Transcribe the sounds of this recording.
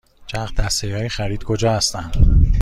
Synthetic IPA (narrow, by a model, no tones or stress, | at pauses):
t͡ʃʰæχd̪ʰæst̪ejɒːjexæɾiːd̪̥kʰo̞d͡ʒɒːhæst̪æn